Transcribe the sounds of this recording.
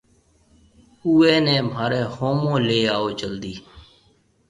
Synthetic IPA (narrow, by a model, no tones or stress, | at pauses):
uːeːnẽːmaːɾeːhoːmõːleːaːoːt͡ʃəld̪iː